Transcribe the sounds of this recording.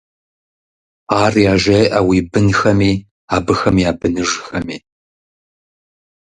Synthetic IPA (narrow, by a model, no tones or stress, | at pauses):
aːrjaːʒɐjʔɐwiːbɨnxɐmiː | aːbɨxɐmjaːbɨnɨʒxɐmiː